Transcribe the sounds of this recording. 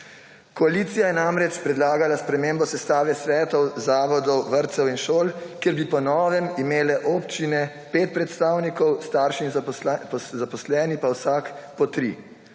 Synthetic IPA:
kɔaliːt̪sijajɛnamɾɛt͡ʃpɾɛd̪laːɡalaspɾɛmeːmbɔsɛst̪aːʋɛsʋɛːt̪ɔwzaːʋɔd̪ɔwʋəɾt̪sɛwinʃoːlkjeːɾbipɔnɔːʋɛmimeːlɛʔɔpt͡ʃinɛ | peːt̪̚pɾɛt̪st̪aːwnikɔwst̪aːɾʃizpɔzapɔslɛːnipawsaːkpɔt̪ɾḭ

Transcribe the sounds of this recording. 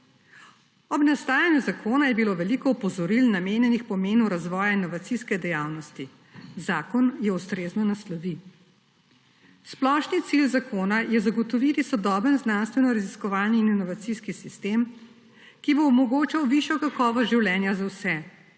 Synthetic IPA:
ɔbnast̪aːjanjuzakʰoːnajɛbiloʋɛlikɔɔpɔzɔɾilnameːnjɛnixpɔmeːnuɾazʋɔːjainɔʋat̪siskɛd̪ɛjaːwnɔst̪i | zaːkɔnjɛust̪ɾeːznɔnaslɔʋi | splɔʃnit̪silzakʰoːnajɛzaɡɔt̪ɔʋit̪isɔd̪ɔbənznanst̪ʋɛnɔɾaziskɔʋaːlniːninɔʋat̪siskisist̪em | kibɔːmɔɡoːt͡ʃawʋiʃjɔkakɔːʋɔsʒiwlʲjɛːnjazawsɛ

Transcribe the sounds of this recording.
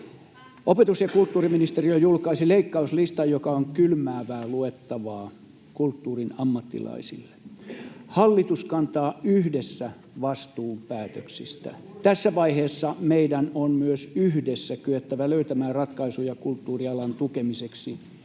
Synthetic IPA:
opet̪usjɑkult̪ːuːriminist̪eriojulkɑisileikːɑuslist̪ɑjjokɑoŋkylmæːʋæːluet̪ːɑʋɑː | kult̪ːuːrinɑmːɑt̪ːḭlɑ̰isḭlːe̥ | hɑlːit̪uskɑnt̪ɑːyhdesːæ | ʋɑst̪uːmpæːt̪øksist̪æ̰t̪æsːæʋɑiheːsːɑmeidænonmyøsyhdesːækyøt̪ːæʋæløyt̪æmæːrɑt̪kɑisujɑkult̪ːuːriɑlɑnt̪ukemiseksi

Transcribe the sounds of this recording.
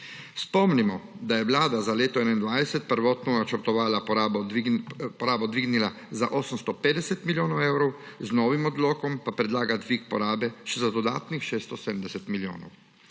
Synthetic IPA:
spɔmnimɔd̪ajɛʋlaːd̪azaleːt̪ɔɛnɛind̪ʋajd̪sɛt̪̚pəɾʋɔːt̪nɔnat͡ʃəɾt̪ɔʋaːlaɔabɔ | pɔɾaːbɔd̪ʋiɡnila | za̰ʔɔːsəmst̪ɔpeːd̪ɛsɛt̪miljoːnɔwɛwɾɔwznɔːʋimɔd̪loːkɔmpapɾɛd̪laːɡad̪ʋikpɔɾaːbɛʃɛzad̪ɔd̪a̰ːt̪nixʃeːst̪ɔsɛd̪m̩d̪ɛsɛt̪miljo̰ːnɔ̰w

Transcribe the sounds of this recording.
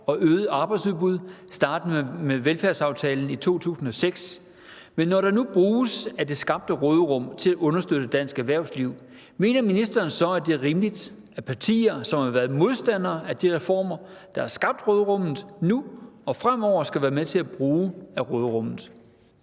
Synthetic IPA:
ɒ̽ʔøːð̩ˠɑ̈ːb̥ɑ̈ɪdsuðˠb̥uð̞ˠsd̥ɑ̈ːd̥̩meʋelfæɐsɑ̈ʊt͡sʰɛːln̩it͡sʰo̝̰ːt͡sʰṵːsn̩ɒ̽seɡ̥s | menːɒɾɑ̈nub̥ʁuːsæd̥e̝sɡ̥ɑ̈b̥̚d̥əʁɔːðˠəʁɔ̽m̰t͡sʰe̝læʔɔ̽nɐsd̥øð̥əd̥æn̰sɡ̥æʋæɐ̰ʊsliʊ̰ | me̝̰ːnɐminisd̥ɐːnsɒ̽æd̥e̝æʁiːmlid̥ | ʔæɐpʰɑ̈t͡sʰḭːɐsɒ̽mhɑ̈ʋæːɐð̩ˠmo̝ð̞ˠsd̥æn̰ɐːæd̥iʁɛfɒ̰ːmɐd̥ɑ̈hæɐsɡ̥ɑ̈b̥̚d̥ʁɔːðˠʁɔ̽mð̩ˠnuɒ̽fʁam̰ɒʊ̰ɐsɡ̥æʋæːɐmet͡sʰe̝læb̥ʁuːæʁɔːðˠʁɔ̽m̰ð̩ˠ

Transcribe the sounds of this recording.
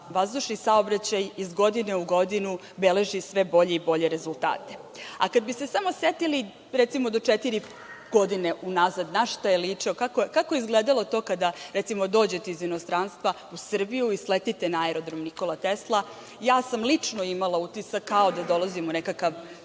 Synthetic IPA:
ʋazd̪uʃnisao̞bɾat͡ɕajizɡo̞d̪ine̞uɡo̞d̪inu | bele̞ʒisʋe̞bo̞ʎe̞ibo̞ʎe̞ɾe̞zulˠt̪a̰ːt̪e̞̥ | a̰kad̪̚bise̞samo̞set̪ili | ɾɛt̪simod̪o̞t͡ʂet̪iɾi | ɡ̥od̪ine̞ʔunazad̪naʃt̪ajeliːt͡ʂio̞kakokakoeizɡleːd̪alˠo̞t̪o̞ːkad̪aɾɛt̪simo̞d̪o̞ːd͡ʑe̞t̪eizinost̪ɾanst̪ʋa | usr̩bijuislet̪it̪enaaeɾo̞d̪ɾo̞mniko̞lˠat̪eslˠa | jaːsamlit͡ʂnoimalˠaut̪isakʰːao̞d̪ad̪o̞lˠazimunekakaʋ

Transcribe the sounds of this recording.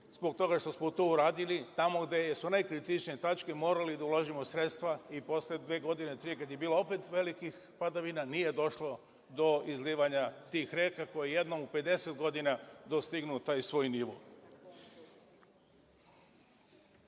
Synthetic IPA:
zboɡ̚t̪o̞ɡaʃt̪o̞smot̪ouɾaːd̪ilit̪amo̞ɡd̪ejsunajkɾit̪it͡ʃnijet̪at͡ʃkemo̞ːɾalid̪aulˠoʒimosɾe̞t̪st̪ʋaipo̞slied̪ʋe̞ːɡo̞d̪ine̞t̪ɾijekad̪je̞biːloo̞pet̪ʋe̞likix | pad̪aʋinanije̞d̪o̞ʃlo̞ | d̪o̞izliːʋaɲat̪iːxɾe̞ːkako̞jeje̞d̪no̞mupe̞d̪e̞set̪ɡo̞d̪inad̪o̞st̪iɡnut̪aːjsʋo̞ːjniʋo̰

